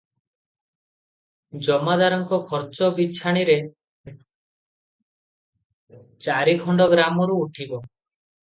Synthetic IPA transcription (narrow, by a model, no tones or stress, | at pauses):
d͡ʒɔmad̪aɾɔŋkɔkʰɔɾt͡ʃɔbit͡ʃʰaɽ̃iɾe | t͡ʃaɾikʰɔɳɖɔɡɾamɔɾuːʈʰibɔ